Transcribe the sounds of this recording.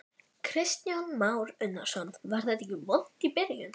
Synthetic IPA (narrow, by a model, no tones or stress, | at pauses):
kʰɾɪst̪janmaːwɾʏnːḁsɔnvaɾ̥θɛt̪ɛcɪvɔl̥t̪ipɪɾjʏn